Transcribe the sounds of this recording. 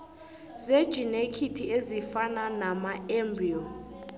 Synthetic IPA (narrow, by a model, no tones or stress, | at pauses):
zed̥ʒ̥ʱinekʰitʰiezifananamaɛmbriɔ